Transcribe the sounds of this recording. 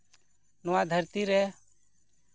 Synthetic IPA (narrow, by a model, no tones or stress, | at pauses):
nɔwad̪ʱəɾt̪iɾɛ